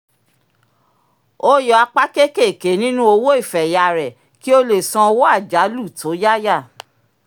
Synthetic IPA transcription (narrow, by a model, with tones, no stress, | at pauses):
o˦jɔ˧a˧k͡pa˦ke˦ke˦˨ke˨˦nĩ˦nũ˦o˧wo˦i˦˨fɛ˨ja˨ɾɛ˨ | ki˦o˦le˨sɔ̃˧wo˦a˦˨d͡ʒa˨˦lu˦˨to˨˦ja˦ja˦˨